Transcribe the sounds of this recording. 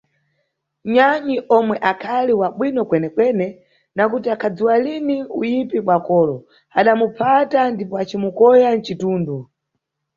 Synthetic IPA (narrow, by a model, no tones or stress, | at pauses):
ɲaɲiʔɔmwɛʔakʰaliwaɓwinɔkwɛnɛkwɛnɛ | nakutiakʰad͡ziwaliniṵjipiɓwakɔːlɔ | aɗamupʰatandipɔat͡ʃimukɔjan̩t͡ʃituːndu